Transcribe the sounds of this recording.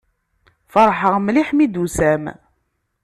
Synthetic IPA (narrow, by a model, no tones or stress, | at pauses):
fɑɾˤħəʁmliħmid̪usæm